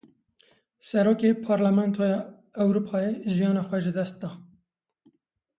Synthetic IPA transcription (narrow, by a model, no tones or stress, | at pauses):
sɛɾoːkepʰɑːɾlamɛnt̪ʰojɑ | ɛwɾupʰɑːjeʒijɑːnɑːxʷɛʒɪd̪ɛst̪̚d̪ɑː